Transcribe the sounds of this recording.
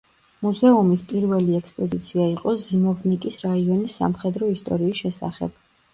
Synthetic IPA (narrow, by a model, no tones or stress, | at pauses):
muzɛumispʼiɾvɛliɛkspʼɔd̪it̪sʰiaiqʼɔzimɔvnikʼisɾaiɔnisːa̰mχɛd̪ɾɔist̪ʼɔɾiːsʃɛsa̰χɛ̰b̥